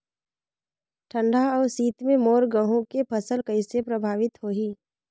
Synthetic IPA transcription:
ʈʰə̃ɳɖʱaɔːɾsiːt̪mẽmoːɾɡə̃ɦũkepʰəsəlkəɪsepɾəbʱaːʋɪt̪ɦoːɦiː

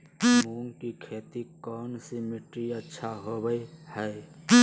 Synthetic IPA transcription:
muːnkikʰeːt̪ikɔːnsimeʈɾiətːʃʰaɦobəjhəe

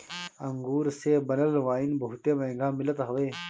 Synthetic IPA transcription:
ɐ̃ŋɡuːɾsebɐnəlʋaːinbɐɦut̪emɛ̃ːŋɡaːmɪlət̪ɦɐʋeː

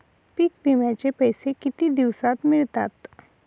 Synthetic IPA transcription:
piːk̚bimjãt͡ɕepəjsekɪt̪id̪iʋsat̪mɪɭt̪a̰ːt̪

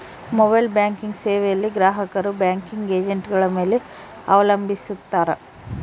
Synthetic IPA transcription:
mobɐjlbjaːŋkiŋɡseːʋɛjɐlːiɡɾaːɦɐkɐɾubjaːŋkiŋɡe̞ːd͡ʒeɳʈɡɐɭɐme̞ːle | ɐʋɐlɐmbʱisut̪ːaːɾe

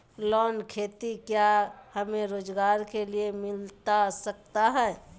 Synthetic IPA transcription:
lɔːnkʰeːt̪ikjahəmẽɾoːd͡ʒɡaːɾkeliemɪlt̪asək̚t̪aɦɛ̃ː

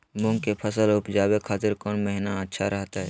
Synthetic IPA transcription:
mʊ̃ŋɡkepʰəsəlʊpd͡ʒaːwekʰaːt̪ɪɾkɔːnmɛɦnaətːʃʰaɾɐɦt̪aɦɛː

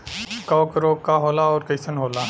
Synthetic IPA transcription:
kaːkəɾoːkːaɦoːlaɔːɾkɐɪsənɦoːlaː

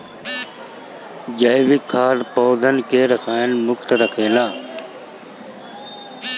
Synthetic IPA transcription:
d͡ʒəjʋɪkʰːaːɾpoːd̪ʱənkeːɾəsaːjənmʊkt̪ɾəkʰeːlaː

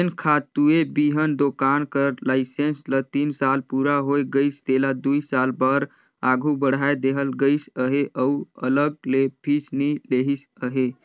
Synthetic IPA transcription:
enkʰat̪uebiɦənd̪okankəɾlaɪsenslət̪insalpuɾaɦojɡəɪsd̪elad̪uisalbəɾ | aɡʱubəɽ̤ajd̪eɦəlɡəjsəɦeʔəuələɡ̚lepʰisnileɦis | əɦe

